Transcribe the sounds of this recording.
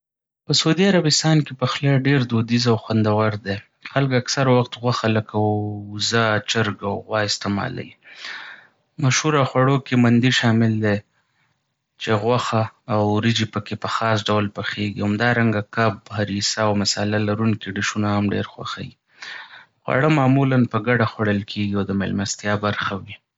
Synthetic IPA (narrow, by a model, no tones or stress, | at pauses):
pəsaud̪iaɾabɪst̪ɑnkepəxlaɖeɾd̪od̪izawxwand̪awaɾd̪e | xalkaksaɾwaxt̪ɣwaxaləkazat͡ʃɪɾɡawɣwɑɪst̪ɪmɑ̰la̰wi | maʃhuɾaxwaɽokemand̪iʃɑmɪld̪e | t͡ʃeɣwaxaːwɾɪd͡ʒipəkepəxɑsɖawlpəxeɡihamd̪ɑɾaŋɡakabhaɾisawmɪsɑlalaɾuŋkiɖəʃunahamɖḛɾxwa̰xa̰ji | xwa̰ɽəmɑmulanpəɡaɖaxwaɽəlkʰeɡiawd̪əmḛlmast̪jɑbaɾxawi